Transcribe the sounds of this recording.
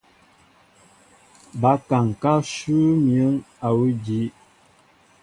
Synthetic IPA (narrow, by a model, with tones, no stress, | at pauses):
ba˨˦ka˨ŋ˨ka˦ʃu˦mjə˨˦ŋ | a˨wu˦di˨˦